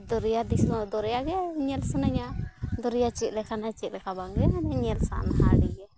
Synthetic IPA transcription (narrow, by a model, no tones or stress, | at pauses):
d̪ɔɾɛjad̪isɔd̪ɔɾɛjaɡɛɲɛlsanaɲad̪ɔɾɛjat͡ʃɛt̪̚lɛkʰanat͡ʃɛt̪̚lɛkʰabaŋɡɛnɛɲɛlsa̰ʔnhaɽiɡɛ